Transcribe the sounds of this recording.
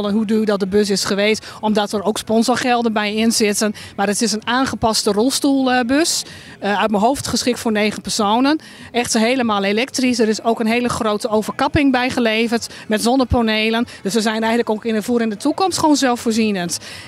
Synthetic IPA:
lˠənɦududɔt̚dəbøsɪsχəʋeːsɔmdɔtəɾowkspɔnzoɹχɛlˠdənbɛjɪnzɪtənmaɾətɪsənaːnχəpɑstərɔlˠstulˠbøs | œɥt̚məɦowftχəsχɪk̚tfʊɹneːɣənpərsoːnən | ɛxtəɦeːləmaːlˠelɛk̚trisdəɾɪsoːkənɦeːləxroːtəowvərkɑpɪŋbɛjχəleːvərtmɛtzɔndəponeːlˠənd̥øsʋəzɛjnɛjɣələkokɪnəvuəɾɪndətʰukɔmstχoːnzɛlˠfoːrzinənt

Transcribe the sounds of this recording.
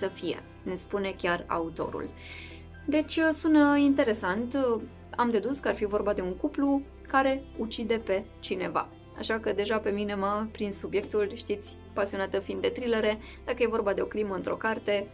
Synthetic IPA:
səfije̞̰ | ne̞spune̞kʲara̰ut̪o̞̰ɾṵl | d̪e̞t͡ʃʲsunəint̪e̞ɾe̞sant̪ | amd̪e̞d̪uskəarfivo̞rbad̪e̞uŋkuplu | kaɾe̞ut͡ʃid̪e̞pe̞t͡ʃine̞va̰ | a̰ʃakəd̪e̞ʒape̞mine̞məpɾinsubje̞k̚t̪ulʃt̪it̪sʲ | pasio̞nat̪əfind̪ːe̞t̪ɾileɾe̞ | d̪̥akəje̞vo̞rbad̪e̞o̞kɾiməɨnt̪ɾo̞̰kart̪e̞

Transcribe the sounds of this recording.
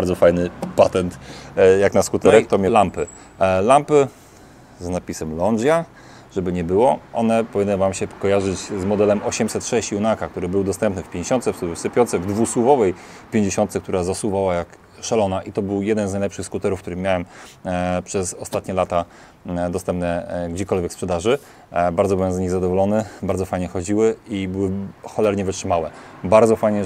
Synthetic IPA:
ɾd̪zɔfajnɘpat̪ɛnt̪jaknaskut̪ɛɾɛkt̪ɔmʲalampɘ | lampɘ | znapʲisɛmlɔnd͡ʑja | ʐɛbɘɲɛbɘwɔɔnɛpɔvʲinːɨvamɕɛkɔjaʐɘt͡ɕzmɔd̪ɛlɛmʔɔɕɛmsɛt̪ʂɛɕt͡ɕjunakakt̪uɾɘbɘwd̪ɔst̪ɛmpnɘfpʲjeɲd͡ʑeɕɔnt̪sɛfsɘpʲjɔnt̪sɛvd̪vusuvɔvɛj | pʲjeɲd͡ʑeɕɔnt̪sɛkt̪uɾazasuvawajak | ʂalɔnaʔit̪ɔbɘwjɛd̪ɛnznajlɛpʂɘxskut̪ɛɾufkt̪uɾɘmʲjawɛm | pʂɛsɔst̪at̪ɲɛlat̪a | d̪ɔst̪ɛmpnɛɡd͡ʑɛkɔlvʲjɛkspʂɛd̪aʐɘ | baɾd̪ɔbɘwɛmzɲiɣzad̪ɔvɔlɔnɘbaɾd̪zɔfajɲɛxɔd͡ʑiwɘibɘwɘxɔlɛɾɲɛvɘtʂɘmawɛbaɾd̪zɔfajɲɛ

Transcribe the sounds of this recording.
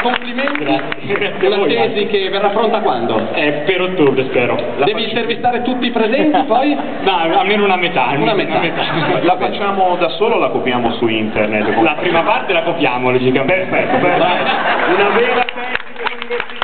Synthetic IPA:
kompliment̪i | t̪unat̪ɛːzikevːerːafɾont̪akwand̪oɛpeɾot̪ːobɾespɛːɾodaɛːviːnt̪ervist̪aːɾet̪ut̪ːiːpɾezɛnt̪ipɔj | maalmeːnounamet̪almunameamet̪afɛlafat͡ʃːaːmod̪asoːlolakopjaːmosuint̪ernet̪ːlapɾiːmapart̪elakopjaːmolid͡ʒikaeɾfɛt̪ːopeɾnaunavɛːɾat̪ɛzi

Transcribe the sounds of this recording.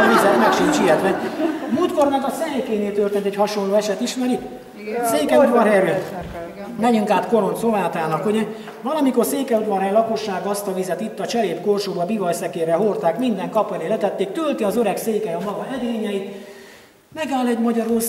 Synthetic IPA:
izɛt̪mɛkʃiɲt͡ʃiɛt̪ʋɛmuːt̪kornak̪ɒsɛekeːneːlt̪ørt̪eːnt̪ɛchɒʃonloːɛʃɛt̪iʃmɛɾi | seːkɛut̪ʋɒrɦɛɾy | mɛɲyŋkaːt̪ko̞ɾo̞nt̪sovaːt̪aːnɒkhoɟɛ | vɒlɒmiko̞rseːkɛut̪vɒɾɦɛjlɒko̞ʃːaːɡɒst̪ɒvizɛt̪it̪ːɒt͡ʃɛɾeːpkorʃoːbɒbivɒjsɛkeːɾɛɦort̪aːkmind̪ɛŋkɒpɒleːlɛt̪ɛt̪ːeːk̚t̪ølt̪iɒzøɾɛkseːkɛjɒmɒɡɒʔɛd̪eːɲɛit̪ | mɛɡaːlɛɟmɒɟɒɾur

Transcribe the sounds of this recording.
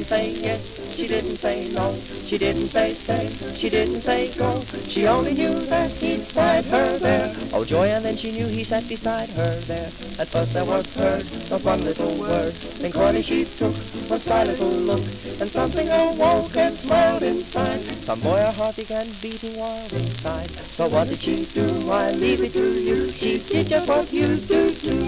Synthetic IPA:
seɪjɛs | ʃidɪdⁿn̩tseɪlɔ̃ŋ | ʃidɪdⁿn̩tseɪsteɪ | ʃidɪdⁿn̩tseɪɡoʊ | ʃiõʊ̃nlinjʉðɨt̚hispaɪd̚ə˞ðə˞ | ʔo̰ʊd͡ʒɔɪɨ̃nðɨ̃nʃinjʉisæt̚b̥ɨsaɪd̚ə˞ðə˞ | ɨ̃tfɜ˞st̚ðə˞wʌzhɜ˞d | əwʌ̃nləɾl̩ˠwɜ˞d | ɨ̃nkʰɔɹɾɨ̃ʃitʰʊkəsaɪɾɪɾl̩ˠlʊk | ɨ̃nsʌ̃mθɪ̃ŋəwoʊkɨ̃nsmaɪlˠdɪ̃nsaɪd̚sʌ̰̃mbɔɪə˞ɦɑɹt̚b̥ɨɡæ̃nbiɾɪ̃ŋwaɪlˠdɪ̃nsaɪd̥̚ | soʊwʌt̚d̥ɨd̥ʃiduaɪlivɨttʰɨjɨʃidɪd̚d͡ʒʌst̚wʌɨdɨdʉ

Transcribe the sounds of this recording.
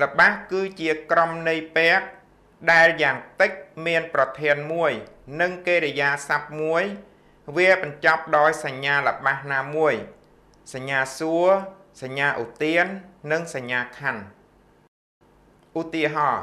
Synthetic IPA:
lə̆ɓahkɨːt͡ɕiəkromnɨjpɛ̆ək̚ | ɗaɛljaːŋt̪ɨc̚miənprɑt̪ʰiənmuəjnɨŋkeːɾejaːsap̚muəj | ʋiəɓɑɲt͡ɕɑp̚ɗaɔjsaɲːaːlə̆ɓahnaːmuəj | saɲːaːsuə | saɲːaːʔut̪iənːɨŋsaɲːaːkʰan | ʔut̪iəɦɑː

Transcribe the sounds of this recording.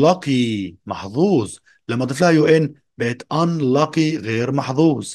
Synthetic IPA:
lɑqimɑħðˤuːzˤ | lamːat̪ˤɪflhajuʔɪn | beːt̪ʔanlɑqiɣeːɾmɑħðˤuːzˤ

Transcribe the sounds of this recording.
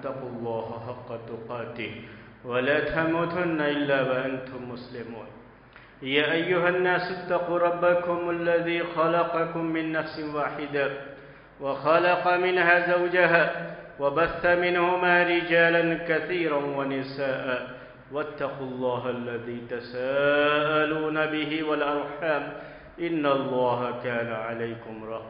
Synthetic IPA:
t̪ːɑqʊlˤːɑːɦħɑqːɑt̪ʊqɑːt̪ɪ | walaːt̪ʰamuːt̪ʊnːaʔɪlːaːwaʔant̪ʊmːʊslɪmuːn | jaːʔajːʊɦanːaːsʊt̪ːɑquːɾˤɑbːakʊmalːaðiːxɑlɑqɑkʊmːɪnːafsɪwaːħɪd̪a | waxɑlɑqɑmɪnhaːzawd͡ʒaɦaːwabaθːamɪnhʊmaːɾɪd͡ʒaːlankaθiːɾanwanɪsaːʔaː | wat̪ːɑqulˤːɑːɦaʔlːaðiːt̪asaːʔaluːnabɪɦɪwalʔɑɾˤħaːm | ʔɪnːalˤːɑːɦakaːnaʕalajkʊmɾˤɑ

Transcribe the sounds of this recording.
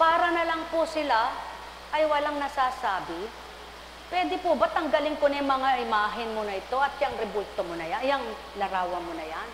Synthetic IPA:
paːɾɐnɐlɐŋpʊsɪla | ʔɐjwɐlaŋnɐsaːsaːbɪ | pwɛːd̪ɪpʊbat̪ɐŋɡɐlɪŋkonɛŋmɐŋaʔɪmaːɦɪnmonɐɪt̪o̞ʔɐt̪̚jɐŋɾɛbʊlt̪omonɐjanjɐŋ | lɐɾaːwɐmonɐjan

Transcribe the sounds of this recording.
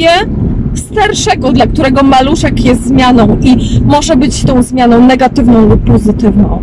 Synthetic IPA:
ɛst̪aɾʂɛɡɔd̪lak̚t̪uɾɛɡɔmaluʂɛkjɛst̪ːzmʲjanɔ̃w̃ʔimɔʐɛbɘt͡ɕst̪ɔ̃w̃zmʲjanɔ̃w̃nɛɡat̪ɘvnɔ̃w̃lupɔzɘt̪ɘvnɔ̃w̃

